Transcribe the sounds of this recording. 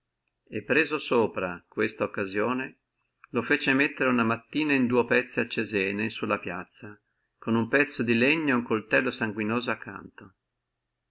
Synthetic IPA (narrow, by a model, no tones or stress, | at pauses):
epːɾeːzosoːpɾakwest̪aokːazjoːne | lofeːt͡ʃemet̪ːeɾeunamat̪ːiːnaind̪uːepɛt̪sːiat͡ʃːezɛːnesulːapjat̪sːa | konumpɛt̪sːod̪ileɲːoeuŋkolt̪ɛlːosaŋɡwinoːzoakʰːa̰nt̪o